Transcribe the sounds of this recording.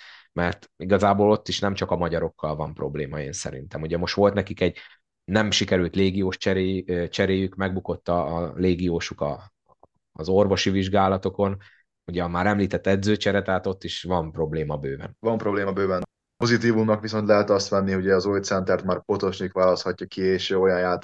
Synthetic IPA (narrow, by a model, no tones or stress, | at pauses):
mɛrt̪iɡɒzaːboːlo̞t̪ːiʃnɛmt͡ʃɒkɒmɒɟɒɾo̞kːɒlvɒmpro̞blḛːmɒḛːnsɛ̰ɾḭnt̪ɛmuɟɛmo̞ʃt̪ʋo̞lt̪nɛkikɛɟ | nɛmʃikɛɾylt̪leːɡijoːʃt͡ʃɛɾeːt͡ʃɛɾeːjykmɛɡ̚buko̞t̪ːɒːleːɡijoːʃukɒ̰ː | zo̞rvo̞ʃiviʒɡaːlɒt̪o̞ko̞n | uɟɛmaːɾɛmliːt̪ɛt̪ːɛd̪zøːt͡ʃɛɾɛt̪aːt̪o̞t̪ːiʃʋɒmpro̞bleːmɒbøːbɛ̰nvɒmpɾo̞bleːmbøːbɛn | po̞zit̪iːvumnɒkʋiso̞nt̪lɛɦɛt̪ɒst̪mɛnːiɦoɟɛɒzojt̪sɛnt̪ɛrt̪maːrpo̞t̪o̞ʃnikʋaːlɒst̪hɒcːɒkieːʃøːojɒnjaːt̪